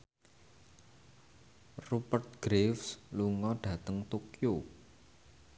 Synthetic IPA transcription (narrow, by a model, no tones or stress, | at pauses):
rupərt̪̚ɡ̥ɾefsluŋɔɖ̥ä̤t̪əŋt̪okijo